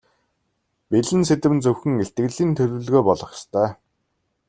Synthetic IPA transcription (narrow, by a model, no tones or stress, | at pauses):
peɮɘ̆nset̪ɘ̆mɘnt͡sɵwxɘ̆ŋeɬt̪̚ɡɘ̆ɣɮiːnt̪ʰɵɮʲŭːɮɣoːpɔɮɞ̆χst̪ʰœː